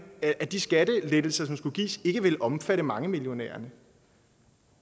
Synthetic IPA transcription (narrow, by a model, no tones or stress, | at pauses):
æd̥isɡ̥æd̥əled̥l̩sɐsɒ̽msɡ̥uɡ̥ḭːse̝ɡ̥əʋe̝lʔɒ̽mfæɾəmɑ̈ŋəmiljo̝nɛ̰ːɐnə